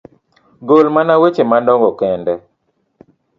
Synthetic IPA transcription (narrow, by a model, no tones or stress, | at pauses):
ɡolmanawet͡ʃemandɔŋɡɔkɛndɛ